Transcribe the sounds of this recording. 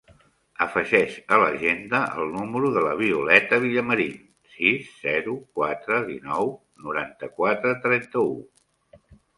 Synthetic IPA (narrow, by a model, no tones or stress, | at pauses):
əfəʒɛʃələʒend̪əʔə̰lˠnuməɾuðələβ̞iulɛt̪əβ̞iʎəməɾi | sizzɛɾukwat̪ɾəðḭnɔw | nuɾant̪əkwat̪ɾət̪ɾɛnt̪əu